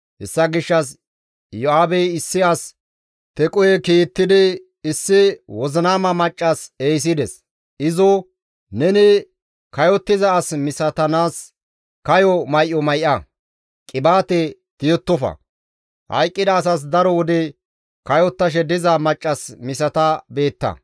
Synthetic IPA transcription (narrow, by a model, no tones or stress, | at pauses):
hɛsːɐɡɪʃːɐs | jɔaːbɛjɪsːɪɐs | t̪ɛkʼɔjɛkiːt̪ːɪd̪ɪ | ɪsːɪwɔzɪnaːmɐmɐt͡ʃʼːɐseːjs̬ɪd̪ɛs | ɪzɔ | nɛnɪ | kɐjɔt̪ːɪzɐːsmɪsɐt̪ɐnaːs | kɐjɔmɐjʔɔmɐjʔɐ | kʼɪbaːt̪ɛ | t̪ɪjɔt̪ːɔfɐ̰ | hɐ̰jkʼːɪd̪ɐːs̬as̬d̪ɐɾɔwɔd̪ɛ | kɐjɔt̪ːɐʃ̬ɛd̪ɪzɐmɐt͡ʃʼːɐsmɪsɐt̪ɐbe̞ːt̪ːɐ̰